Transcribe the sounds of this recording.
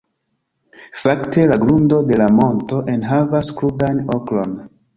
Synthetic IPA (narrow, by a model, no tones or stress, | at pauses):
fakte̞laɡɾundo̞de̞lamo̞nto̞ʔenɦavaskludanoklo̞n